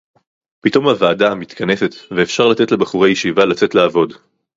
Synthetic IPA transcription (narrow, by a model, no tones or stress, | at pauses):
pito̞mavaːdamit̪kʰane̞se̞t̪veːfʃaʁlat͡se̞tle̞baχuʁejeʃivalat͡se̞tlaːvo̞d